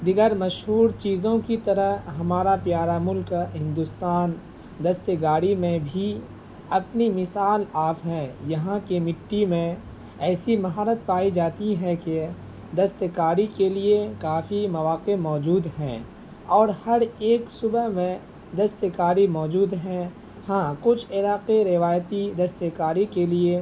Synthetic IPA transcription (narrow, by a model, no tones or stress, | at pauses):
d̪ɪɡəɾmɐʃɦuːɾt͡ʃiːzõkit̪ɐɾəɦɦɐmaːɾapjaːɾamʊlkɦɪ̃nd̪ʊst̪aːn | d̪ɐst̪əɡaːɽimẽbʱi | ɐpnimɪsaːlaːfɦɛ̃ːjɐɦãkemɪʈːimẽ | ɛːsimɐɦaːɾət̪̚paːid͡ʒaːt̪iɦɛ̃ke | d̪ɐst̪əkaːɽikeliekaːfimɐʋaːqemɔːd͡ʒuːd̪ɦɛ̰̃ː | ɔːɾhɐɾeːksʊbəɦmẽ | d̪ɐst̪kaːɾimɔːd͡ʒuːd̪ɦɛ̃ | hãːkʊt͡ʃʰɪlaːqeɾɪʋaːjt̪id̪ɐst̪əkaːɾikelie